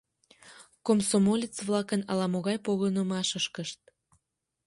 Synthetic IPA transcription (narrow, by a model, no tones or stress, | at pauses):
komsomolʲit͡sβlɑkənɑlɑmoɣɑjpoɣənəmɑʃəʃkəʃt̪̚